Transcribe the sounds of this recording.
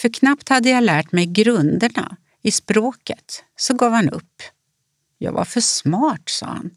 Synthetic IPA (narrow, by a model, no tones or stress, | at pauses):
fœɾkʰnapt̪had̪ːəjalæːʈmɛjɡɾɵnd̪əɳa̰ | ɪspɾoːkət̪sɔɡɑːvhanɵ̰pː | jɑ̰ːɡva̰ɾfœʂmɑːʈsɑ̰ːha̰n